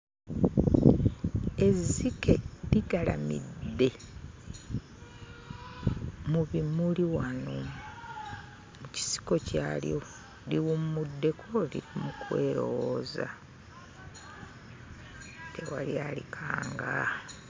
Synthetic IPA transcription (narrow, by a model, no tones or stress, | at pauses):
e̞zike̞liɡala̰mḭdːe̞ | muβimuliwano | muci̥si̥ko̞caːljo̞ | liwummudːe̞kʰolḭɾimukwe̞ːɾo̞̰woːza | te̞waljaːlikʰaːŋɡa